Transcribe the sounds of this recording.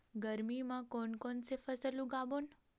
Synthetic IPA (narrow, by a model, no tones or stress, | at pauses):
ɡəɾmimãkonkonsefəsəlũɡabon